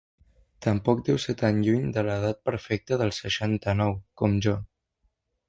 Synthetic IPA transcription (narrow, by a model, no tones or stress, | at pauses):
t̪əmpɔk̚d̪ɛwsɛt̪aɲʎuɲd̪ələð̞at̪̚pəɾfɛk̚t̪əðəlˠsəʃant̪ənɔwkɔmʒɔ